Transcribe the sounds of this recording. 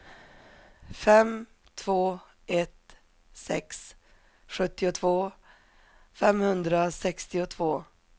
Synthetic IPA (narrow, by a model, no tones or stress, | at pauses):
fɛm | t̪ʰv̥oː | ɛt̪ | sɛ̰ks | ɧɵt̪ːɪʊt̪ʰvoː | fɛmhɵnd̪ɾasɛkst̪ɪʊt̪ʰvoː